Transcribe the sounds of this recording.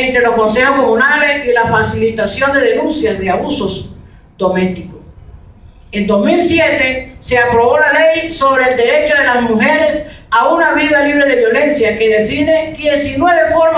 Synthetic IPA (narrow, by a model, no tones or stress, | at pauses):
nt̪ɾe̞losko̞nse̞xosko̞mũnalesilafasilit̪asjo̞nd̪e̞ðe̞nũnsjazðeaβuso̞s | d̪o̞me̞st̪ikos | end̪o̞zmilsjet̪e̞seapɾo̞βo̞lale̞jso̞β̞ɾe̞ːld̪e̞ɾe̞t͡ʃoðe̞lazmuxe̞ɾe̞saunaβiðaliβ̞ɾe̞ðe̞βjo̞le̞nsjake̞ðe̞fine̞ðje̞sinwe̞βe̞foɾ